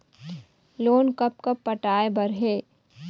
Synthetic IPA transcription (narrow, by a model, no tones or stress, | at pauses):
loːnkɐp̚kɐpːɐʈaːebɐɾɦeː